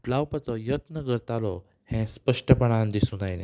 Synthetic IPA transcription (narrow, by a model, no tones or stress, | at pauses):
ʈlawpat͡sɔjət̪nəɡəɾt̪alɔ | hɛ̃spəʂʈəpəɽ̃ãnd̪isũnajnḛ̃